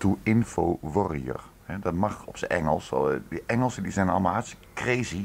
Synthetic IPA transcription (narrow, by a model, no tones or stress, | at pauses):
tuɪnfoʋɔrijə̰r | hɛdɑtmɑxɔpsəʔɛ̰ŋəlˠsdəʔɛŋəlˠsədizɛnɑ̰lˠmaɦɛskrezi